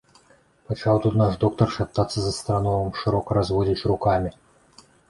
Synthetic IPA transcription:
pɐt͡ʃɑwt̪ut̪naʂd̪ɔk̚t̪ɐrʂap̚t̪ːat̪sːɐzɐst̪ɾanɔwɐmʂɨɾɔkəɾazvɔdʲit͡sʲrukamʲi

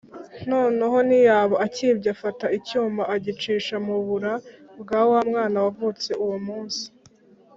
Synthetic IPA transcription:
noːneɦo̞nijaːβoʔaciːbɟafataʔicuːmaʔːɟit͡ʃiːʃamuβuɾabɡawamŋaːnawavut͡se̞ʔuwomuːnsi̥

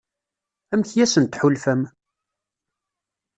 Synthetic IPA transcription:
æmçjæsənt̪ħulfæm

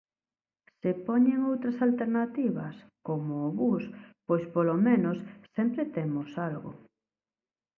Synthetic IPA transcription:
sepɔɲeŋowt̪ɾɐsalt̪eɾnat̪iβɐskomoːβuspojspolomẽnossɛmpɾet̪emosalɣʊ̰

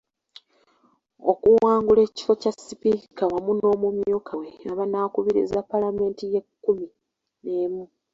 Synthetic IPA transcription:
o̞̰kuwaːŋɡule̞ːci̥fo̞casːipikawamuno̞ːmumjoːkʰaweaβanaːkuβiɾḭzapalame̞ːntije̞kːumi | ne̞ːmu

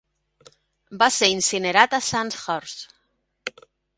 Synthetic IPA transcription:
baseɾinsineɾat̪asansxɔɾs

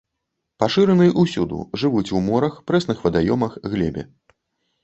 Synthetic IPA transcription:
paʂɨɾɐnɨjʔusʲud̪ṵʐɨvut͡sʲwmɔɾɐxpɾɛsnɨxvɐd̪ajɔmɐxɣlʲɛ̰bʲɛ̰

